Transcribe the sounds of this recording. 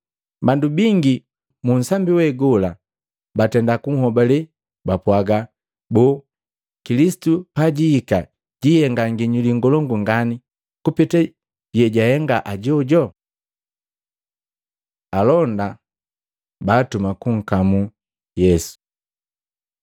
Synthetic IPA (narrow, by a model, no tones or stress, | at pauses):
bandubiŋɡi | mun̩sambiwɛɡɔla | batɛndakuŋ̩hɔbalɛ | bapwaɡa | bɔ | kilisi̥tupaɟiːka | ɟihɛŋɡaŋɡiɲuliŋɡɔlɔŋɡuŋɡani | kupitɛ | jɛɟahɛŋɡaʔaɟɔɟɔ | alɔnda | baːtumakuŋ̩kamu | jɛsu̥